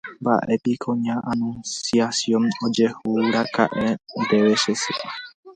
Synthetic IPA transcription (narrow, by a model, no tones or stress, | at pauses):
mba̰ʔepikʰõɲãʔanũnsiasjõnod͡ʒehuɾaka̰ʔend̪eʋeʃeseʔa